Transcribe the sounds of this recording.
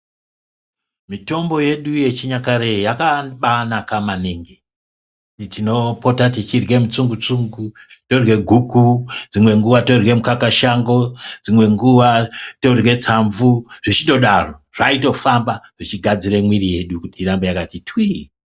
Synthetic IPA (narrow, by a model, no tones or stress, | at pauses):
mito̞mbo̞je̞ɗuje̞t͡ʃiɲakaɾejakaɓanakamaneŋɡe | tino̞po̞tatit͡ʃirwe̞mut͡suŋɡut͡suŋɡu | to̞rwe̞ɡʱukud͡zimwe̞ŋɡuʋato̞rwe̞mukakaʃaŋɡo̞d͡zimwe̞ŋɡuʋato̞rwe̞t͡saɱvuʐit͡ʃito̞ɗaro̞ʐ̥aito̞fambaʐ̥it͡ʃiɡʱad͡ziɾemwiɾije̞ɗukutiːɾambejakatitʰwi